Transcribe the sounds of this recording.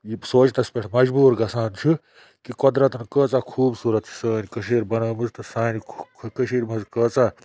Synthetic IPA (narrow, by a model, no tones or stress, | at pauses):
jisoːt͡ʃt̪ɐspʲeʈʰmɐd͡ʒbuːɾɡɐsaːnt͡ʃʰu | kikod̪ɾɐt̪ɐnkəːt͡sakʰuːbsuːɾɐt̪t͡ʃʰi̥səːnʲikɐʃeːɾbɐnɐːmɨzt̪ɨsaːnʰkɐʃeːɾmɐzkəːt͡saː